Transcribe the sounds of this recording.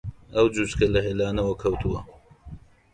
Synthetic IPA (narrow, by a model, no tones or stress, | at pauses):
ɐwd͡ʒut͡ʃkʰɐlɐɦelaːnɐwɐkʰɐwt̪ʰuwɐ